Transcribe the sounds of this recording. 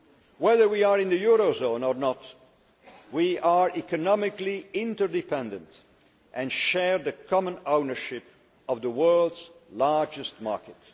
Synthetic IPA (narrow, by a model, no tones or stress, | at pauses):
wɛðə˞wiəɹɪ̃nðɨjʊɹozõʊ̃nɔɹnət̚ | wiʔəɹikɨnɑmɪkliɪ̃ntə˞dɪpʰɛ̃ndə̃nt | ʔɨ̃nʃɛɹðɨkʰɑmə̃nõʊnə˞ʃɪp | ʌvðəwɜ˞lˠdz̥lɑɹd͡ʒɨst̚mɑ̰ɹkɨt